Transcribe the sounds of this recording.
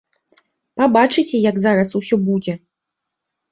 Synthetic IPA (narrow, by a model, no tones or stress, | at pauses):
pabat͡ʂɨt͡sʲɛjɐɡzaɾɐsusʲɔbud͡zʲɛ